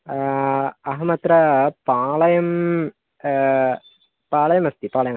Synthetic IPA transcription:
ɐɦɐmɐt̪ɾɐpaːɭɐjɐm | paːɭɐjɐmɐst̪ipaːɭɐjɐŋ

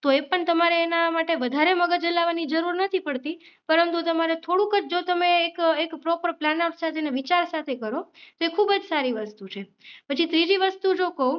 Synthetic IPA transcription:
t̪oepəɳt̪əmaɾeːnamaʈeʋəd̪ʱaɾeməɡəd͡ʒəlaʋanid͡ʒəɾuɾnət̪ʰipəɭt̪i | pəɾənt̪ut̪əmaɾet̪ʰoɽũkət͡ʃd͡ʒot̪əmeːkekpɾɔpəɾplanapsat̪ʰeneʋit͡ʃaɾsat̪ʰekəɾot̪oekʰubəd͡ʒsaɾiʋəst̪ut͡ʃʰe | pət͡ʃʰit̪ɾid͡ʒiʋəst̪ud͡ʒokəũ

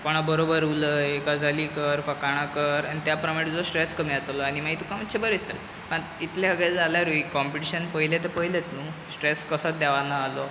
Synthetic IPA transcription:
koɽ̃abəɾobəɾuləjekad͡zʱaliːkəɾfəkaɽ̃akəɾanit̪japɾəmaʈd͡zɔsʈɾeskəmiat̪lɔaɽ̃imaɡit̪ukãmət̪ːɕʰebəɾest̪ə̰l | pəit̪leɦəɡed͡zaljaɾuikɔmpiʈiɕənpəɦilet̪epəɦilet͡snuːsʈɾeskəsət̪̚d̪ɛʋanaːlo

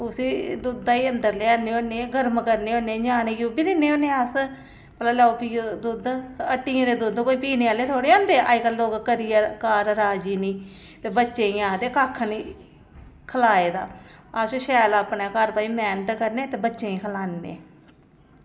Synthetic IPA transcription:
ʊsiːd̪ud̪aːiːənd̪əɾleːaːnːeːoːneːɡəɾmkəɾneːoːneːd͡ʒaːneːɡubiːd̪ɪnːeːoːneːas | pəlaːlɛːopiːd̪ud̪əʈːiːãːd̪eːd̪ʊd̪koːiːpiːneːaːleːt̪ʰoːɽeːãːnd̪eːʔa̰ːikəlloːkkəɾijaːkaːɾɾaːd͡ʒiːniː | t̪eːbətːʃẽːĩːãːt̪eːkaːkʰniː | kʰəlaːeːd̪a̰ːasʃɛːlaːpɳaːkaɾpaːiːmɛːnəʈkəɾneːt̪eːbətːʃẽːĩːkʰəlaːnːḛː

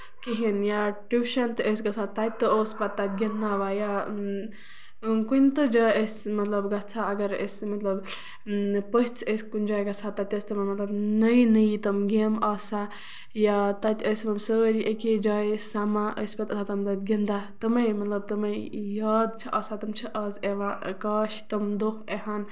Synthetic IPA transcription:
kiɦinjaʈiʃɐnt̪ɨəs̬ɡɐsʰat̪t̪ːat̪̚ʲt̪ːɨoːspat̪ːat̪̚ʲɡʲind̪aʋaja | kunʲt̪ɨd͡ʒaːjəsmɐt̪lɐbɡɐt͡sʰaɐɡɐɾə̰smɐt̪lɐb | pəɦt͡sʰəskund͡ʒaːjɡɐt͡sʰat̪ːɐt̪ʲɐsʲt̪ɐmɐmɐt̪lɐbnəjnəjit̪ɐmɡemɐːsa | jaːt̪ɐt̪ʲəsmɐmsəɾiʔəked͡ʒaːjsamaʔəspɐt̪ɐt͡sʰat̪ɐmlɐt̪̚ɡʲind̪at̪ɐmɐjmɐt̪lɐb̚t̪ɐmɐjaːd̪t͡ʃʰiʔɐːsat̪ɐmt͡ʃʰiʔɐːzeʋakaːʃt̪ɐmd̪oxeɦan

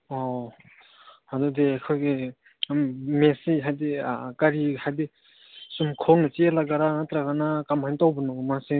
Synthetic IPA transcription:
ɔ | hadudekʰɔjɡe | mesiɦajdekaɾihajde | sumkʰɔnɯt͡ʃielaɡaɾaŋatɾaɡanakamhajntawbɯnɔɡmase

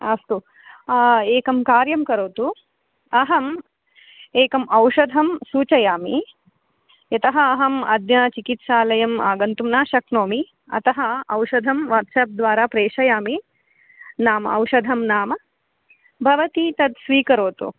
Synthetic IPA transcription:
ɐst̪u | eːkɐmkaːɾjɐmkɐɾoːt̪u | ɐɦɐm | eːkɐmɐwʃɐd̪ʱɐmsuːt͡ʃɐjaːmi | jɐt̪ɐɦɐːɦɐmɐd̪jɐt͡ʃikit̪ʃaːlɐjɐma̰ːɡɐnt̪umnaːʃɐknoːmi | ɐ̰t̪ɐɦɐɐwʃɐd̪ʱɐmʋɐɾʈ̪sɐːp̚d̪ʋaːɾaːpɾeːʂɐjaːmi | naːmɐ̰ɐ̰wʃɐd̪ʱɐmnaːmɐ | bʱɐʋɐt̪it̪ɐd̪sʋiːkɐɾoːt̪ṵ

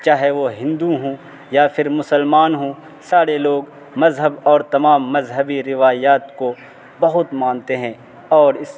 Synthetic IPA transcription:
t͡ʃaːɦeʋoɦɪ̃nd̪uɦũː | japʰɪɾmʊsəlmaːnɦũː | saːɾeloːɡ | mɐzɦəbɔːɾt̪ɐmaːmːɐzɦəbiɾɪʋaːjaːt̪ko | bɐɦʊt̪mãːnt̪eɦɛ̃ː | ɔːɾɪs

